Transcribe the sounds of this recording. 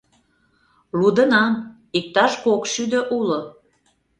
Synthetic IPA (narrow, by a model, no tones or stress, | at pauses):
lud̪ə̆nɑm | ik̚t̪ɑʃkokʃyd̪ə̆ʔulo